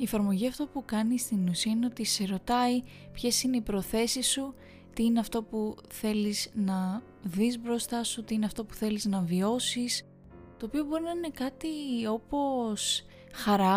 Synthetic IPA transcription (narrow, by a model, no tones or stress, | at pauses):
iefɐɾmo̞ʝiɐft̪o̞pukɐnist̪inusiɐineo̞t̪iseɾo̞t̪ɐi | pçe̞sine̞ipɾo̞θe̞sisu | t̪iineɐft̪o̞puθe̞liznɐ | ðizbɾo̞st̪ɐsut̪iineɐft̪o̞pu̥θe̞liznɐvio̞sis | t̪o̞ːpio̞bo̞ɾinɐine̞kɐt̪io̞po̞s | xɐɾɐ